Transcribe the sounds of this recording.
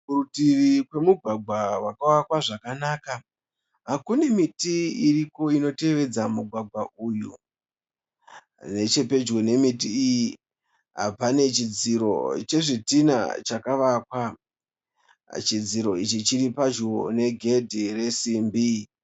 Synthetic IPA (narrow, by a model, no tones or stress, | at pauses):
kurutirikwe̞muɡʱwaɡ͡bʱwawakawakwaʐakanaːka | ɦakune̞mitiiriko̞ino̞te̞ʋe̞d͡zamuɡʱwaɡʱwaʔuːju | ne̞t͡ʃe̞pe̞d͡ʒɡo̞ne̞mitiːji | ɦa̰pane̞t͡ʃid͡ziɾo̞̰t͡ʃe̞ʐitina̰t͡ʃakaʋakwa | t͡ʃid͡ziɾo̞it͡ʃit͡ʃiɾipaʒone̞ɡʱe̞dʱire̞simbi